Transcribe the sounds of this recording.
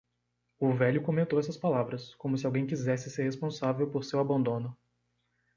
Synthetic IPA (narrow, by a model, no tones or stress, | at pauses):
ʊvɛljʊkõmẽnt̪owɛsɐspalavɾɐskõmʊsɪawɡẽj̃kizɛsɪseɾhespõsavewpoɾsewabɐ̃nd̪õnʊ